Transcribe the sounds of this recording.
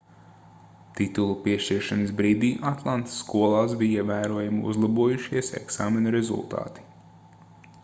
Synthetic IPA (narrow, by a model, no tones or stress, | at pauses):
t̪it̪ulˠupiɛʃt͡ʃiɾʃanəsbɾiːd̪iːʔat̪lˠant̪sːkuɔlˠaːsbijivæːɾuɔjumṵzlˠabuɔjuʃiɛsɛ̰ksaːmenɐɾezṵlˠt̪a̰ːt̪i̥